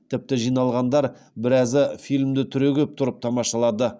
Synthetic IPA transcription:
t̪ʰɪp̚t̪ɪʒijnɑlˠʁɑnd̪ɑɾ | bɪɾɑzɪfijlʲmd̪ɪt̪ʰʏɾeɡʲe̞p̚t̪ʰʊɾəp̚t̪ʰɑmɑʃɑlˠɑd̪ə

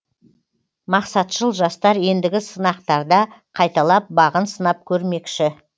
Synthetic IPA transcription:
mɑqsɑt̪ʃəlˠʒɑst̪ɑɾje̞nd̪ɪɡʲɪsənɑq̚t̪ɑɾd̪ɑqʰɑjt̪ɑlˠɑp̚bɑʁənsənɑp̚kʲʰɵɾme̞kʃɪ

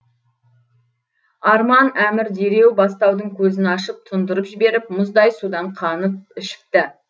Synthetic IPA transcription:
ɑɾmɑnæmɪɾd̪e̞ɾe̞wbɑst̪ɑwd̪əŋkʲʰɵzɪnɑʃəp̚t̪ʰʊnd̪əɾəpʒɪbe̞ɾɪp̚mʊzd̪ɑjsud̪ɑɴqʰɑnəp̚ɪʃɪ̥p̚t̪ɪ

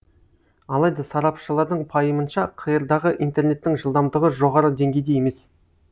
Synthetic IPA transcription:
ɑlˠɑjd̪ɑsɑɾɑpʃəlˠɑɾd̪əɴpʰɑjəmənʃɑqʰəjəɾd̪ɑʁəʔḭjnt̪e̞rne̞t̪ːɪŋʒəlˠd̪ɑmd̪əʁəʒo̞ʁɑɾəd̪e̞ŋɡʲe̞jd̪e̞je̞me̞s

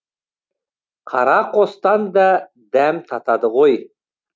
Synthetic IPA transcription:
qʰɑ̰ɾɑqʰost̪ɑnd̪ɑ | d̪æmt̪ʰɑt̪ɑd̪əʁoj

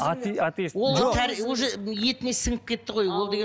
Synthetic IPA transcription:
at̪at̪iswo̞llˠʒt̪ʰæɾwoʒeje̞tt̪ɪnesəŋəp̚kʲʰe̞t̪ːɪʁo̞jwo̞lˠd̪eɡe

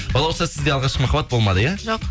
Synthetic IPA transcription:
bɑlˠawsasɪzd̪ʲeɑlˠʁɑʃqmaχabat̪̚bolˠmad̪ɪjaʒoq

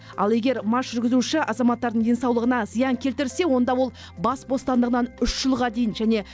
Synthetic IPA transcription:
ɑ̰lˠe̞ɡʲe̞ɾmɑʃʒ̥ʏɾɡʲɪzuʃɪʔɑzɑmɑt̪ːɑɾd̪əɴd̪e̞nsɑwlˠəʁənɑzəjɑŋkʲʰelt̪ɪɾɪse̞wo̞nd̪ɑwo̞lˠ | bɑsbo̞st̪ɑnd̪əʁənɑnʏʃʒ̥əlˠʁɑd̪e̞jɪnʒæne̞

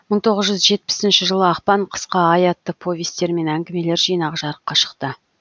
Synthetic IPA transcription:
məɴt̪ʰo̞ʁəzʒʏzʒe̞t̪̚pɪ̥sɪnʃɪʒəlˠəɑqpɑɴqʰə̥sqɑːjɑt̪ːəpʰo̞vʲest̪e̞ɾme̞næŋɡʲɪme̞le̞ɾʒijnɑʁəʒɑɾəqːɑʃə̥qt̪ə

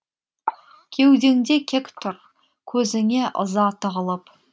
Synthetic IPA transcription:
kʲʰe̞wd̪e̞ŋd̪ekʲʰekʲt̪ʰʊɾ | kʲʰɵzɪŋʲe̞ʔə̰zɑt̪ʰəʁəlˠəp

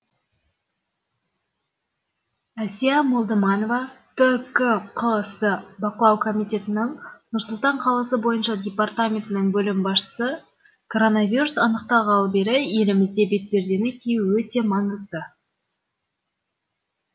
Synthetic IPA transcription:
æsijamo̞lˠd̪əmɑno̞vɑt̪ʰəkəqʰəlˠəsəbɑqəlˠɑwkʰo̞mijt̪ʲe̞t̪ɪnɪŋnʊɾsʊlˠt̪ɑɴqʰɑlˠɑsəbo̞jənʃɑd̪ʲe̞part̪amʲe̞nt̪ɪnɪŋbɵlɪmbɑsʃə̥sə | kʰo̞ɾo̞navʲiɾusɑnəqt̪ɑlˠʁɑlˠbe̞ɾɪje̞lɪmɪzd̪e̞be̞t̪̚be̞ɾd̪e̞nɪkʲʰejwɵt̪e̞mɑɴəzd̪ə

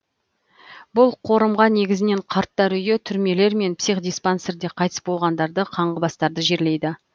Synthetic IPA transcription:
bʊlˠqʰo̞ɾəmʁɑne̞ɡʲɪzɪne̞ɴqʰɑɾt̪ːɑɾʏjet̪ʰʏɾme̞le̞ɾme̞npsijχd̪ijspanseɾd̪e̞qʰɑjt̪ə̥sbo̞lˠʁɑnd̪ɑɾd̪əqʰɑɴʁəbɑst̪ɑɾd̪əʒe̞ɾle̞jd̪ɪ

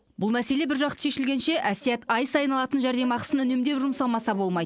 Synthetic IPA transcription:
bʊlˠmæse̞le̞bɪɾʒɑq̚t̪ə̥ʃe̞ʃɪlɡʲe̞nʃe̞ʔæsijæt̪ɑjsɑjnɑlˠɑt̪ənʒæɾd̪e̞mɑqə̥sənʏne̞md̪e̞pʒʊmsɑmɑsɑbo̞lˠmɑjd̪ə

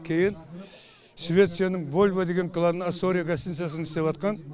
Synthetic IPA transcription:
kʲʰe̞jɪn | ʃvʲe̞t̪sijanəɴvo̞lʲvad̪e̞ɡʲe̞ŋkʰlˠanənasoɾijaɡʲast̪insijas̬ənɪst̪eɑt̪̚qɑn

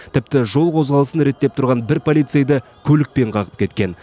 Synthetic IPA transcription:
t̪ʰɪp̚t̪ɪʒo̞lˠqʰo̞zʁɑlˠəsənɾe̞t̪ːe̞p̚t̪ʰʊɾʁɑnbɪɾpʰo̞lʲijt̪sejd̪ə | kʲʰɵlɪk̚pe̞ɴqʰɑʁə̥p̚kʲʰe̞t̪kʲe̞n

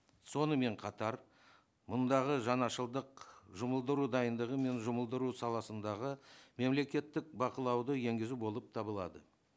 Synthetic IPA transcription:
so̞nəme̞ɴqʰɑt̪ɑɾ | mʊnd̪ɑʁəʒɑnɑʃəlˠd̪əqʒʊməlˠd̪əɾud̪ɑjənd̪əʁəme̞nʒʊməlˠd̪əɾusɑlˠɑsənd̪ɑʁəme̞mle̞kʲe̞t̪ːɪk̚bɑqəlˠɑwd̪əje̞ŋɡʲɪzubo̞lˠəp̚t̪ʰɑbəlˠɑ̰d̪ə

